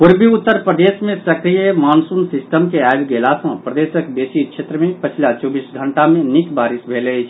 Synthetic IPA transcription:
puɾbiut̪ːəɾpɾəd̪esmẽsəkɾijəmansunsisʈəmkeaebɡelasə̃pɾəd̪esəkbesit͡ʃʰet̪ɾəmepət͡ʃʰilat͡ʃɔbisɡʱəɳʈamenikbaɾisbʱeləjt͡ʃʰ

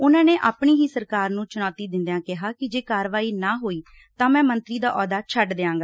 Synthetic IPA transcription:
ʊnãːneːʔaːpɳiːɦiːsəɾkaːɾnũːt͡ʃʊnɔːt̪iːd̪ɪnd̪jãːkɪɦaːkɪd͡ʒeːkaːɾʋaːiːnaːɦoːiː | t̪ãːmɛ̃ːmənt̪ɾiːd̪aːʔɔːd̪aːt͡ʃʰəɖd̪eːãːɡaː

